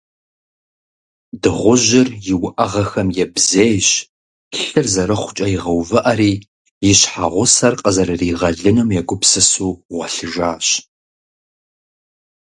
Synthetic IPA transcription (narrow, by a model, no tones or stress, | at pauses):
dɨʁʷʊʒɪrjɪwʊʔɐʁɐxɐmjɛbzejɕ | ɬɨrzɐɾɨχʷʊ̥t͡ʃʼɐjiʁɐwvɨʔɐɾiː | jɪɕħaʁʷʊsɐrqʼəzɐɾɨriːʁɐɮɨnɨmjɛɡʷʊpsɨsuːʁʷɐɬɨʒaːɕ